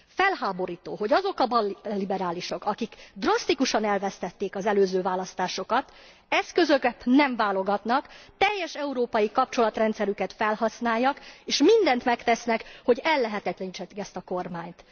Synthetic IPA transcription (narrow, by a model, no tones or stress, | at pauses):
fɛlhaːbo̞ɾiːt̪o̰ːɦo̞ɟɒzo̞kɒbɒllːibɛɾaːliʃo̞kɒkikd̪rɒst̪ikuʃɒnɛlvɛst̪ɛt̪ːeːkɒzɛløːzøːvaːlɒst̪aːʃo̞kɒt̪ | ɛskø̞zø̞kɛt̪nɛɱvaːlo̞ɡɒt̪nɒkt̪ɛjːɛʃɛuɾoːpɒjikɒp̚t͡ʃo̞lɒt̪rɛnt̪sɛɾykɛt̪fɛlhɒsnaːjːɒkeːʃmind̪ɛnt̪mɛkt̪ɛsnɛkho̞ɟɛlːɛɦɛt̪ɛt̪lɛnit͡ʃɛt̪ːikɛst̪ɒko̞rmaːɲt̪